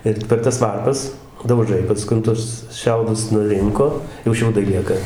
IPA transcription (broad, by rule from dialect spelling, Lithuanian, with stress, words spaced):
ˈɪr pʲɛr ˈtɐs ˈʋɐrpɐs dɐʊˈʒɐɪ pɐˈskʊn ˈtʊs ˈʃʲɛʊdʊs nʊˈrʲɪŋkoː jɛʊ ˈʃʲɛʊdɐɪ ˈlʲiɛkɐ